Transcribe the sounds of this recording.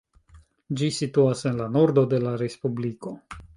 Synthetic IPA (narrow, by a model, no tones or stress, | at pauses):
d͡ʒisituase̞nlano̞ɾdo̞de̞laɾe̞spubliko̞